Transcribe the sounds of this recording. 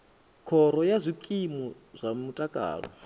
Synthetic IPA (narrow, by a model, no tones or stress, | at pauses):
kʰɔɾɔjazʷikʼimɔ | zʷamutʼakʼa̰ːɺɔ̰